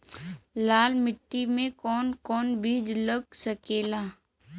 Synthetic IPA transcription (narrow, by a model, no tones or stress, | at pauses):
laːlmɪʈːimẽkɔːnkɔːnbʱiːd͡ʒləɡsəkeːlaː